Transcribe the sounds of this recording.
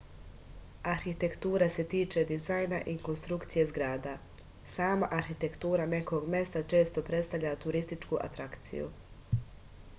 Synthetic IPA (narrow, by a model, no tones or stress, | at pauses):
aɾxit̪e̞kt̪uːɾase̞t̪iːt͡ʃe̞d̪izajnaʔiko̞nst̪ɾukt̪sije̞zɡɾaːd̪a | saːmaʔaɾxit̪e̞kt̪uːɾane̞ko̞ɡmʲe̞st̪at͡ʃe̞ːst̪o̞pɾet̪st̪aʋʎʲat̪uɾist̪it͡ʃkuʔa̰t̪ɾakt̪sḭjṵ